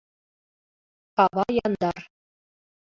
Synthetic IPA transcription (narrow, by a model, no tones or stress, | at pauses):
ɑβɑjɑnd̪ɑr